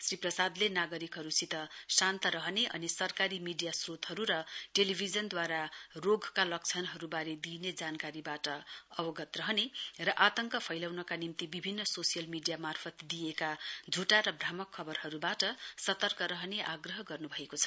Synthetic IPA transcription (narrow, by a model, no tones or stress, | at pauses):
sriprʌsad̪lenaɡʌɾikɦʌɾusit̪ʌsant̪ʌɾʌɦneʔʌ̰nisʌrkaɾimiɖijasrot̪hʌɾuɾʌʈelibʱid͡zʌnd̪waɾaroɡʱkalʌk̚t͡sʰʌnɦʌɾubaɾed̪ined͡zankaɾibaʈʌʌbʌɡʌt̪rʌɦnerʌʔat̪ʌŋkʌpʰʌjlawnʌkanimt̪ibibʱinːʌsosijʌlmiɖijamarpʰʌt̪d̪ijekad͡zʱuʈaɾʌbramʌkʰːʌbʌrɦʌɾubaʈʌsʌt̪ʌrkʌɾʌɦneʔaɡrʌɦʌɡʌrnubʱʌekot͡sʰʌ̥